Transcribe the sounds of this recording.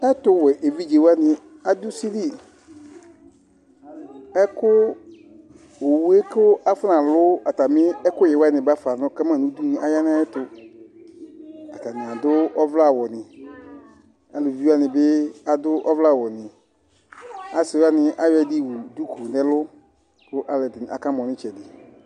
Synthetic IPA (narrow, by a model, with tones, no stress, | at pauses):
ɛ˦tʊ˦wɛ˨ʔe˨vi˦d͡ʒe˨wa˦nɪ̃˨ | a˨dʊ˦si˦li˦ | ɛ˦kʰʊ˦ | o˨wu˦e˦kʊ˦a˦fʊ˦nã˨lʊ˦a˨ta˨mɪ̃˦ɛ˦kʊ˦jɪ˨wa˦nɪ̃˨ba˦fa˨nʊ̃˦ka˦mã˦˨nũ˦du˦n˨a˨ja˦nã˦ɛ˦tʊ˨ | a˨ta˨nɪ̃˨a˨dʊ˦ɔ˦vla˦˨wɔ˨nɪ̃˨ | a˨lʊ˨vi˦a˦nɪ̃˨bɪ˦a˨dʊ˦ʔɔ˦vla˦˨wɔ˨nɪ̃˨ | a˨sɪ˨˦a˦nɪ̃˦ʔa˦jɛ˨di˦wu˨du˦ku˨nɛ̃˦lʊ˦ | kʊ˦ʔa˨lɛ˨dɪ˨n˨a̰˨ka˦mɔ̃˨nɪ̃˦t͡ʃɛ˨dɪ˨